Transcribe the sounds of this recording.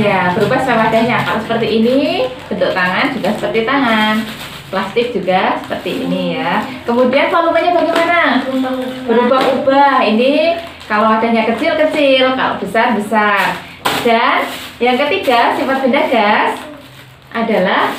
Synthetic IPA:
jabəɾubahssawadahɲakalasə̥pərt̪iːnib̥ənt̪ʊk̚t̪aŋand͡ʒuɡasə̥pərt̪it̪aŋan | plast̪ɪk̚d͡ʒuɡasə̥pərt̪ḭːniakəmudianpalumaɲabaɡɛmana | b̥əɾubaɦubahini | kaloadaɲakət͡ʃɪlkət͡ʃɪlka̰lo̰bisabisa | d̥anjaŋkət̪iɡasifat̪̚bəndaɡas | ʔadalah

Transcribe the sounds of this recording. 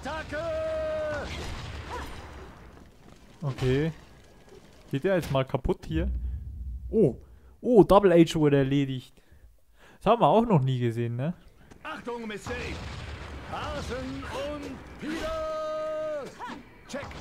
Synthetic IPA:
tʰakə | ʔokʰeː | ɡ̥eːteːɐjɛt͡stmaːlkʰapʰʊthiːɐ | ʔoː | ʔoːdɔbl̩ɛɪt͡ʃv̥ʊɐɾəɛɐleːdɪçt | shaːbm̩viɐaʊxnɔχniːɡəzeːnːə | ʔaχtʊŋmɪstekhazənʊnttfiːlə | t͡ʃɛk

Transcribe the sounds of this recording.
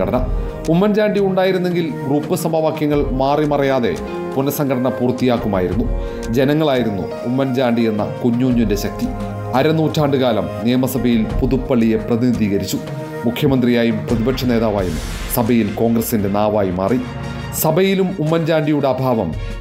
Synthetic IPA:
ɐɽɐnɐ | umːɐnd͡ʑaːɳɖiuɳɖaːjiɾunːe̞ŋɡilɡruːpːɨsɐmɐʋaːkjɐŋːɐɭmaːrimɐrɐjaːðe̞̰ | punɐsɐŋɡʱɐɽɐɳɐpuːrt̪ːijaːkːumaːjiɾunːu | d͡ʑe̞nɐŋːɐɭaːjiɾunːṵːmːɐnd͡ʑaːɳɖie̞nːɐ̰kuɲːuːɲːunde̞ɕɐk̚t̪i | ɐɾɐnːuːtʰːaːɳɖɨɣaːlɐmnijɐmɐsɐbʱɐjilpuðupːɐɭːije̞prɐðinid̪ʱiːɣɐɾit͡ɕːu | mukʰjɐmɐnd̪rijaːjumprɐðibɐkʂʰɐne̞ːðaːʋaːjum | sɐbʱɐjilko̞ːŋɡrɐsinde̞naːʋaːjima̰ːri | sɐbʱɐjilumumːɐnd͡ʑaːɳɖijuɽe̞ɐbʱaːʋɐm

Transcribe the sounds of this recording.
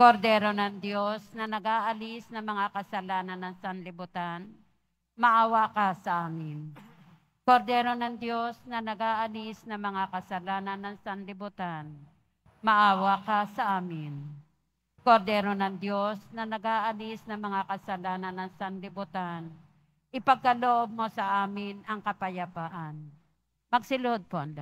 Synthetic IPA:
koɾd̪ɛːɾonɐŋd̪jo̞snɐnɐɡaːʔɐlisnɐŋmɐŋakɐsɐlaːnɐnːɐŋsɐnlɪbʊt̪an | mɐʔaːwakasɐʔaːmɪn | koɾd̪ɛːɾo̞nɐŋd̪jo̞snɐnɐɡaːʔɐlisnɐŋmɐŋakɐsɐlaːnɐnːɐŋsɐnlɪbʊt̪an | mɐʔaːwakasɐʔaːmɪn | koɾd̪ɛːɾonɐŋd̪jo̞snɐnɐɡaːʔɐlɪsnɐŋmɐŋakɐsɐlaːnɐnɐŋsɐnlɪbʊt̪an | ʔɪpɐɡ̚kɐloʔob̚mo̞sɐʔaːmɪnɐŋkɐpɐjɐbaːʔan | mɐɡsɪlood̪̚poʔɐnd̪a

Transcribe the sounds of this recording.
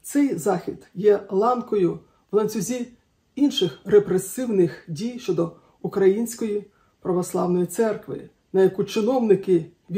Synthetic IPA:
t̪sɛjzɑxʲid̪jɛlˠɑnkɔjʊ | wlˠɐnʲt͡sʲʊzʲi | inʃɪxrepɾesɪwnɪxdʲijʃt͡ʃɔd̪ɔ | ʊkɾɐjinʲsʲkɔji | pɾɐʋɔslˠɑ̰wnɔjit̪sɛrkʋɪ̰ | nɐjɐkut͡ʃɪnɔwnɪkɪ | ʋʲ

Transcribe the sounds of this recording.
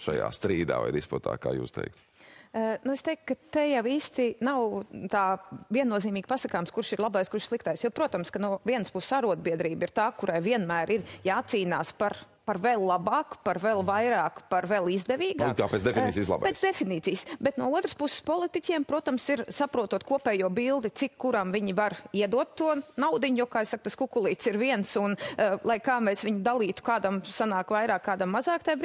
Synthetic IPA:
ʃa̰ja̰ːst̪ɾiːd̪a̰ːva̰jd̪isput̪a̰ːka̰ːjṵːst̪ɛ̰jk̚t̪ | nuɛst̪ɛjkkːat̪ɛjawiːst̪inawt̪aːviɛnːuɔziːmiːɡ̥pasɐkaːmskuɾʃiɾlˠabajskuɾʃslˠikt̪ajsjɔpɾuɔt̪ɐmskanuɔviɛnəspussaɾuɔd̪̚biɛd̪ɾiːbiɾt̪aːkuɾajviɛnmæːɾʔiɾjaːt̪siːnaːspaɾ | paɾvɛlˠlˠabaːkpaɾvɛlˠvajɾaːkpaɾvɛlˠizd̪ɛʋiːɡaːka̰ːpɛ̰t̪sd̪ɛfʲinḭːsiːslˠa̰b̰peːsd̪efiniːt̪siːjsbɛt̪nuɔuɔt̪ɾəspusɪ̥spɔlˠit̪icʲiɛmpɾuɔt̪amsiɾsapɾuɔt̪uɔt̪kuɔpɛːjuɔbilˠd̪it̪sikːuɾamviɲivaɾiɛd̪uɔt̪ːuɔnawd̪iɲjokaːisak̚t̪askukulˠiːt̪siɾviɛnsunlˠajkaːmɛːsʋiɲud̪alˠiːt̪u̥kaːd̪amsanaːkvajɾaːkːaːd̪amːazɑːkt̪ajbɾ

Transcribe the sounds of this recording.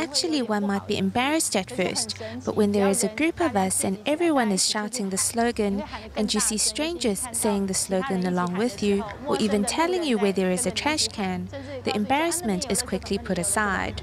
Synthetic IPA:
æk̚t͡ʃul̩ˠiwʌ̃nmaɪt̚b̥iʔɨ̰̃mbɛɹɨstɨtfɜ̰˞st̚b̥ʌ̰ʔwʔə̃nðə˞ɨzəɡɹʉpʌvʌsɨ̃nɛvɹiwʌ̃nɨz̥ʃaʊɾɪ̃ŋðɨsloʊɡɨ̃nʔɨ̃njɨsistɹ̥ẽɪ̃nd͡ʒə˞z̥seɪɪ̃ŋðɨsloʊɡɨ̃nəlɔ̃ŋwɪðjʉə˞ʔivɨ̃ntʰɛlˠɪ̃ŋjɨwɛðə˞ɨzɨtʰɹ̥æʃkʰæ̃nðḭʔɨ̃mbɛɹɨsmɨ̃ntʰɨz̥kʰw̥ɪkʰlipʰʊɾɨsaɪd̥

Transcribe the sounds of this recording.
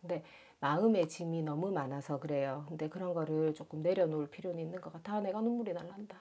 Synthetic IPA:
kɯnde̞ | maɯme̞t͡ɕiminʌmumanasʰʌkɯɾe̞jokɯnde̞kɯɾʌnɡʌɾɯɭt͡ɕ͈ok͈ɯmne̞ɾjʌnoɭpʰiɾjoniinːɯnɡʌk͈atʰane̞ɡanumuɾinaɭːanda

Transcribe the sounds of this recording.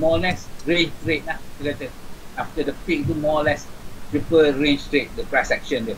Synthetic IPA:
mɔlɛsɹẽnd͡ʒtɹet̚nakɛtɛaftədəpik̚tumɔlɛstɹipəɹẽnd͡ʒtɹet̚dəpɹaɪsɛk̚ʃə̃ndɛ

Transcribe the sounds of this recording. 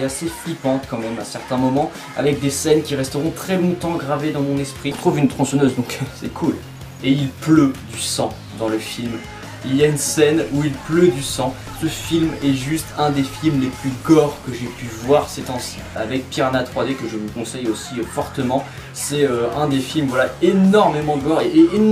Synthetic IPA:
aseflipɑ̃t̪kɑ̃mɛmɛ̃sɛʁt̪ɛ̃mɔmɑ̃ | a̰vɛk̚d̪esɛnkʲiʁɛst̪əʁɔ̃t̪χɛbɔ̃t̪ɑ̃ɡʁaved̪ɑ̃mɔ̃nɛspχit̪χuvynt̪χɔ̃sənøzd̪ɔ̃ksɛkʰul | eilplød̪ysɑ̃ | d̪ɑ̃ləfilm | iljaynsɛnuilplød̪ysɑ̃ | səfilmɛʒyst̪ɛ̃d̪efilmleplyɡɔʁkəʒepyvwaʁsɛt̪ɑ̃sia̰vɛk̚pjɛʁnat̪χwad̪ekəʒəvəkɔ̃sɛjosiøfɔʁt̪əmɑ̃ | sɛøɛ̃d̪efilmvwalaenɔʁmemɑ̃ɡɔʁeː

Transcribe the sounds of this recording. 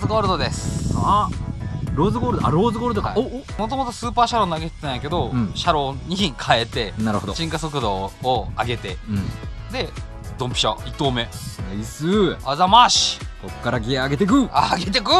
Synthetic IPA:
zɨɡoːɾɯd̪o̞d̪esɨ̥a | ɾoːzɨɡoːɾɯ̟d̪oa̰ɾoːzɨɡoːɾɯ̟d̪oka | mo̞t̪o̞mo̞t̪o̞sɨːpaːɕaɾo̞ːnaɡet̪e̥t̪ãjake̞d̪õ̞ɕaɾo̞ːɲ̟ikʰae̞t̪e̞naɾɯ̰hod̪oɕĩŋkaso̞kɯ̟d̪o̞ːaɡe̞t̪ẽ̞ | d̪e̞ | d̪õ̞mpʲi̥ɕait̪ːoːme̞aisɨazamaɕi̥kokkːaɾaɡeaɡe̞t̪e̞k̬ɯ̟aɡe̞t̪e̞kɯ̟

